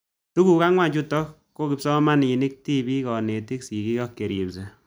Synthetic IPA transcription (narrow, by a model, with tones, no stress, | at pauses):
tu˦ku˨ka˦ŋwa˦˨ɲd͡ʒu˦tɔ˦k | kːo˦ki˨psɔ˦ma˦ni˨ni˦k̚ti˦bi˦kɔ˨ne˨ti˦ksi˨ki˦kɔ˦kːe˨ɾji˨bse˨